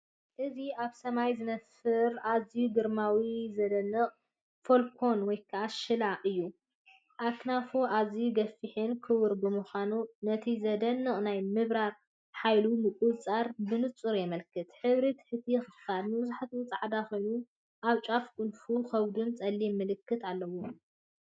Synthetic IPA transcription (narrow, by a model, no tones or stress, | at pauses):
ʔɨziaβsɐmajzɨnɐfɨɾazijuɡɨɾmawizɐd̪ɐnːɨχʼ | fo̞lkʰo̞nwɔjkʰɐʔaʃɨlaɨjːu | ʔaknafoʔazijuɡɐfiħɨnkʰɨwɨɾbɨmuxʷanunɐt̪ʰizɐd̪ɐnːɨχʼnajmɨβɾaɾ | ħajlunɨkʼuβt͡sʼaɾbɨnɨt͡sʼɨɾjɛmɐlkʰɨt̪ħɨβɾit̪ʰħɨt̪ʰijɛxɨxɨfad̪nɨβɨzuħat̪ɨnt͡sʼaʕd̪axo̞jnu | ʔaβt͡ʃʼafkʼʊnfuxɐβd̪unt͡sʼɐlːimːɨlɨkːɨt̪alːɐwu